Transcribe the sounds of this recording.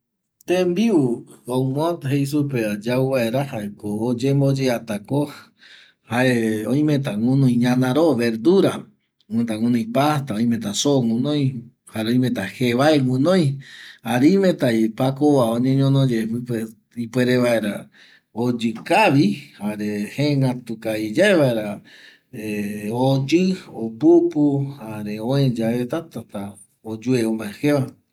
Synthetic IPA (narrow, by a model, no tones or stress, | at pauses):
t̪ẽmbiuõmot̪hejs̬upead͡ʒawβaeɾahaekoːd͡ʒembod͡ʒeat̪ako | haeõj̃mẽt̪aŋũnõj̃ɲãnãɾoβeɾd̪uɾa | ẽt̪aŋũnũj̃pat̪aõj̃mẽt̪asoŋũnõj̃ | haeõj̃mẽt̪aheβaeŋũnõj̃aɾiimẽt̪aipakoβaoɲẽɲõnõd͡ʒepɨe | ipweɾeβaeɾa | od͡ʒɨkaβihaɾehẽŋat̪ukaid͡ʒaeβaeɾa | eod͡ʒɨopupuhaɾeõẽd͡ʒaet̪at̪at̪a | od͡ʒueõmaeheβa